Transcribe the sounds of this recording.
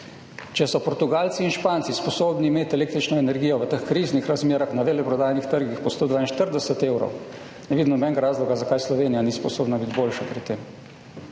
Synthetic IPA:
t͡ʃɛsɔpɔɾt̪uɡaːlt̪siːnʃpaːnt̪sispɔsoːbniːmeːt̪ʲɛleːk̚t̪ɾit͡ʃnɔɛnɛɾɡijɔʋət̪əxkɾiːznixɾazmeːɾaxnaʋelɛpɾɔd̪aːjnixt̪əɾɡixpɔst̪oːd̪ʋaːinʃt̪əɾd̪ɛsət̪eːwɾɔ̰w | nɛʋid̪nɔbɛnŋɡaɾaːzlɔɡazakaːjslɔʋeːnijanispɔsoːbnabit̪ʲboːlʃapɾit̪ːem

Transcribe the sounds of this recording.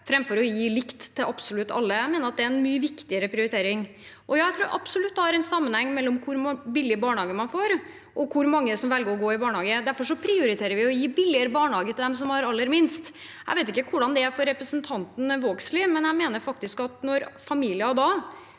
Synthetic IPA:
fɾɛmfɔɾɔjiːlɪkt̪t̪ʰːɪlʔɑpsʊlʉt̪ːɑ̰lːəæɪmeːnəɾɑt̪̚d̪ɛæɛnmyːəʋɪkt̪ɪəɾəpʰɾɪʊɾɪt̪ʰeːɾɪŋ | ʔɔjɑːæɪt̪ʰɾuʉːɾʔɑ̰psʊlʉt̪ːd̪ɛhæɾɛnsɑmːənhɛŋːmɛlːɔmkʰʊɾbɪlːɪəbɑːɳɑːɡəmɑnfoːɾ | ʔɔkʰʊɾmɑŋːəsɔmʋɛlɡəɾɔɡoːɪbɑːɳhɑːɡəd̪æɾfɔʂɔpʰɾɪʊɾɪt̪ʰeːɾəɾʋɪɔjiːbɪlːɪəɾəbɑːɳhɑːɡət̪ʰɪd̪ɛmsɔmhɑɾɑlːəɾmɪnst̪ | æ̰ɪʋeɪt̪ɪkːəkʰʊɖɑnd̪ɛæfɔɾɛpɾəsənt̪ʰɑnt̪n̩ʋoːɡslɪmɛnjæɪmeːnəɾfɑk̚t̪ɪskɑt̪nɔɾfɑmiːlɪɑd̪ɑ

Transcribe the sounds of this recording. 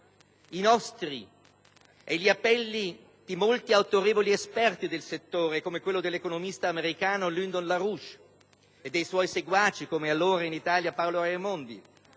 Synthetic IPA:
inɔst̪ɾi | ɛʎiapːɛlːi | d̪̥imolt̪iawt̪oɾeːvoliespɛrt̪id̪elset̪ːoːɾekomekwelːod̪elːekonomist̪aːmeɾikaːnolynd̪onlaɾuʃ | ed̪ːejswɔjseɡwaːt͡ʃːikomealːoːɾainit̪aːljapawloɾamond̪ḭ

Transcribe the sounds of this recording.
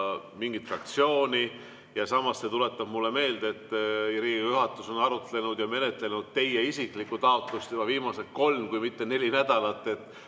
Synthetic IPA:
miŋɡit̪frɑk̚t̪sio̞ːni | jɑsɑmɑsset̪ule̞t̪ːɑb̥mulːe̞me̞ːld̪e̞t̪ːˑɾiːɡijuɦɑt̪ːˑuso̞nɑɾut̪le̞nud̪̥jɑme̞ne̞t̪le̞nud̪̥̚t̪e̞jeisikˑlikːˑut̪ɑo̞t̪ˑlust̪yb̥ɑviːmɑset̪̚ko̞lmkujmit̪ːe̞ne̞lʲinæd̪̥ɑlɑt̪ˑːe̞t̪ːˑ

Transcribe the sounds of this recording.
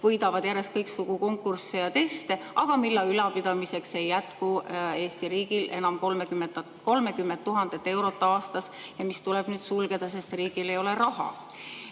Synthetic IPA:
vɤjd̪ɑvɑd̪̥jæɾest̪̚kɤjksuɡ̥uko̞ŋkːˑursejɑt̪e̞st̪e̞ɑɡ̥ɑmilːɑylɑpid̪̥ɑmise̞kse̞jːæt̪kue̞ːst̪iɾiːɡ̥ilʔe̞̰nɑmko̞lmekymenɑ | ko̞lmekymːent̪tːuɦɑnd̪̥e̞t̪ːˑe̞wɾo̞t̪ːˑɑɑːst̪ɑsjɑmist̪uleb̥nyːd̪sulɡ̥e̞d̪̥ɑs̬e̞st̪riːɡ̥ile̞jo̞le̞ɾɑhɑ̰

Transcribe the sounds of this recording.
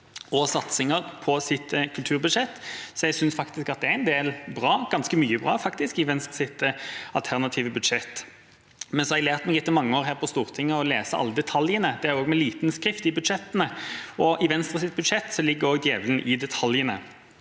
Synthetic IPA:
ɔsɑt̪sɪŋəʁpʰɔsɪt̪kʰʉlt̪ʰʉːʁbʉd̪ʂɛt̪ːsɔɛɡsʏnsfɑkt̪ɪskɑt̪̚d̪ɛæɛɪnd̪eːlbʁɑːɡ̥ɑnskəmyːəbʁɑ̰ːfɑkt̪ɪskɪʋɛnst̪ʁəsɪt̪əɑlt̪ʰæʁnɑt̪ʰiːʋəbʉd̪ʂɛt̪ː | mɛnsɔhɑɛɡleːʁt̪mɛɡjɪt̪ːəɪmɑŋːəoːʁɦæːʁpʰɔst̪uːʁt̪ʰɪŋːəɔleːsəɑ̰lːəd̪ɛt̪ʰɑljənəd̪ɛæɾoːɡmɛliːt̪nskɾɪft̪ɪbʉd̪ʂɛt̪ːənəɔʔɪʋɛnst̪ʁəsɪt̪ːbʉd̪ʂɛt̪ːsɔlɪɡːəɾoːɡd̪jeːʋələn̩ʔɪd̪ɛt̪ʰɑljənə̰

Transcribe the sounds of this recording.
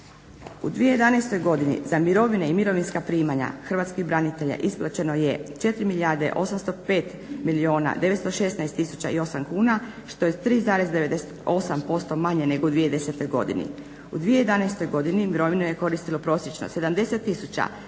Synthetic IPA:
ṵd̪ʋijeje̞d̪anajst̪o̞jɡo̞d̪inḭzamiɾo̞ʋineimiɾo̞ʋinskapɾiːmaɲa̰xr̩ʋaːt̪skibɾanit̪e̞ʎa̰ʔisplˠat͡ɕe̞no̞jet͡ʃe̞t̪ɾimiʎaɾd̪ḛʔo̞samst̪o̞pe̞ːt̪ | milio̞ːna̰d̪e̞ʋet̪st̪o̞ʃe̞snajst̪ːisu̥t͡ɕa̰io̞samkuːna | ʃt̪o̞jet̪ɾiːzaːɾe̞zd̪e̞ʋed̪e̞set̪o̞sampo̞st̪o̞maɲene̞ɡoud̪ʋije̞d̪e̞set̪o̞jɡo̞̰d̪ḭnḭ | ud̪ʋijejed̪anajst̪o̞jɡo̞d̪inimiɾo̞ʋinoje̞ko̞ɾist̪ilopɾo̞sjet͡ʃno̰se̞d̪amd̪e̞se̞t̪ːisut͡ɕa̰

